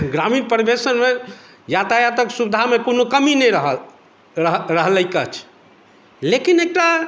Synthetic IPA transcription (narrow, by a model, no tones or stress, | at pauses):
ɡɾaminpəɾibesənme | jat̪ajat̪əksubid̪ʱamekonokəminɛjɾəɦə | ɾəɦləjkət͡ʃʰ | lekinek̚ʈa